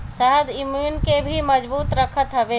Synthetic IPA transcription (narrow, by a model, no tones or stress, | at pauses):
səɦəd̪imuːnkebʱiməd͡ʒbuːt̪ɾəkʰət̪ɦəʋeː